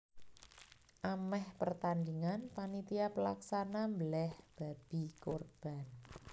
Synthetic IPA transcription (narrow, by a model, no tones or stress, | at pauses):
ʔamɛhpərt̪and̪iŋanpanit̪iapəlaksanambəlɛhb̥a̤b̥i̤korb̥a̤n